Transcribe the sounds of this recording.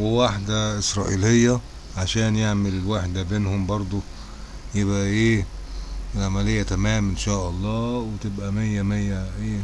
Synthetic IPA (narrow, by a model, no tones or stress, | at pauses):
wewaħd̪æʔɪsɾˤɑ̰ːʔilejːæ | ʕaʃæːnjeʕmelwaħd̪æbeːnhʊmbɑɾˤd̪ˤo | jebʔæʔeː | lʕamælejːæt̪æmæːmʔɪnʃæːʔɑlˤːɑːwet̪ebʔæmejːæmejːæʔeː